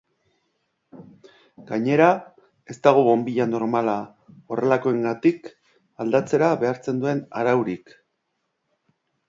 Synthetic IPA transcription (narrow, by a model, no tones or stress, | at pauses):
ɡ̥aɲe̞ɾa | e̞st̪aɣ̞oβo̞mbiʎano̞ɾmala | o̞re̞lako̞e̞ŋɡat̪ik | ald̪at͡se̞ɾaβe̞aɾt͡se̞nd̪ue̞na̰ɾawɾik